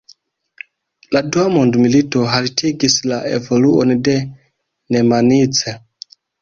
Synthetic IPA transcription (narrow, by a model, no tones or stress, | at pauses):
laduamondmilitoɦalitʰiɡislaʔḛvoluonide | nemanit͡se